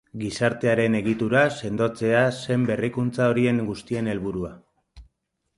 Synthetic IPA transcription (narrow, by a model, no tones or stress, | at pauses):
ɡisaɾt̪e̞aɾe̞ne̞ɣ̞it̪uɾase̞nd̪o̞t͡se̞ase̞mbe̞rikunt͡sao̞ɾie̞ŋɡust̪ie̞ne̞lβuɾua